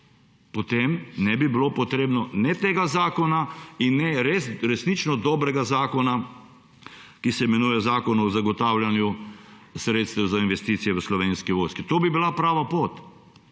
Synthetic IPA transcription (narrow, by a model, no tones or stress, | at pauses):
pɔt̪emnɛbibilopɔt̪ɾeːbnɔnɛt̪eːɡazaːkɔnainːɛɾesɾɛsnit͡ʃnɔd̪ɔːbɾɛɡazaːkɔna | kisɛmɛnujɛzaːkɔnɔzaɡɔt̪aːwljanju | sɾeːt̪st̪ɛwzainʋɛst̪iːt̪sijɛʋəslɔʋeːnskiʋojskit̪oːbibilapɾaːʋapoːt̪